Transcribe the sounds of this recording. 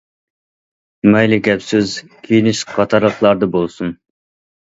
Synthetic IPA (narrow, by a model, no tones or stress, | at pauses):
mɛjlɪɡʲɛpsɪz | kʲʰijinɪʃqʰɑt̪ʰɑɾlˠəqlˠɑɾd̪əbolˠsun